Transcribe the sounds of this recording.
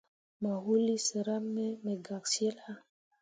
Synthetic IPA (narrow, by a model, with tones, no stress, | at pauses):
ma˨ɦu˦li˦sə˨ɾa˦mːe˦me˨ɡa˨k̚sje˦lha˦